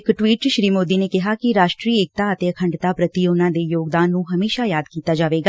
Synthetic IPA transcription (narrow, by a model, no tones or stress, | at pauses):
ɪkʈʋiːʈ̚t͡ʃʃɾiːmoːd̪iːneːkɪɦaːkɪɾaːʃʈɾiːeːk̚t̪aːət̪eːəkʰəɳɖt̪aːpɾət̪iʊnãːd̪eːjoːɡd̪aːnːũːɦəmeːʃaːjaːd̪kiːt̪aːd͡ʒaːʋeːɡaː